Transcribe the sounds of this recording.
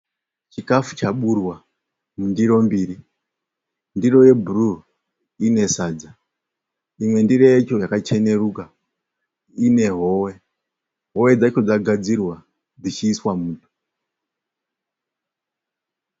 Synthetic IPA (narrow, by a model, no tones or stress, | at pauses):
t͡ʃikafu̥t͡ʃaɓurwa | mundiɾo̞mbiːɾi | ndiro̞je̞buru | ine̞saːd͡za | imwe̞ndirojet͡ʃo̞jakat͡ʃe̞ne̞ɾuka | ine̞ɦo̞we̞ | ɦo̞we̞d͡zat͡ʃo̞d͡zaɡʱad͡zirwa | d͡zit͡ʃiːswamuːtʰu̥